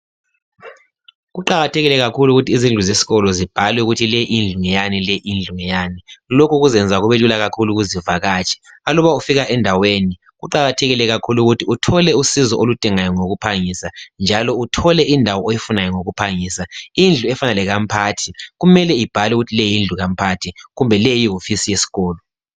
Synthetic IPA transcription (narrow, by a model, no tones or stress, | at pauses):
ɣuǃaɣatʰeɛɣilɛɣakʰuluɣutʰiːzind͡ɮʱuzesi̥ɣɔlɔzib̥ʱalwɛuɣutʰilɛʔind͡ɮʱuŋɛjanilɛʔind͡ɮʱuŋɛjaːnilokuɣuzɛnd͡zʱaɣuβelulaɣakʰuluɣuzivaɣaːt͡ʃʰʼɛ̥ | alɔβaufiɣaʔɛndʱaweni | ɣuǃaɣatʰɛɣilɛɣakʰuluɣutʰiutʰɔlɛusizɔʔolud̥ʱiŋajɔŋoɣupʰaŋisand͡ʒʱalɔutʰɔlɛʔindʱawɔejifunajɔŋoɣupʰaŋiːsaind͡ɮʱuɛfanalɛɣampʰatʰiɣumɛlɛib̥ʱalwɛuɣutʰilejind͡ɮʱuɣam̩pʰatʰiɣumbʱɛlejiɦofisijesi̥ɣɔːlɔ